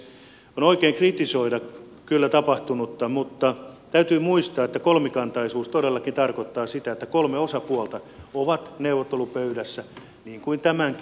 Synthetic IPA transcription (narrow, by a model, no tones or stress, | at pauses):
onoikeːŋkrit̪isoidɑ | kylːæt̪ɑpɑht̪unut̪ːɑmut̪ːɑt̪æyt̪yːmuist̪ɑːet̪ːækolmikɑnt̪ɑisuːst̪oɾelːɑkint̪ɑrkot̪ːɑːsit̪æet̪ːækolmeosɑpuolt̪ɑ | oʋɑt̪neuʋːˑot̪ːelupøyɾæsːæ | niːŋkuint̪æmæŋk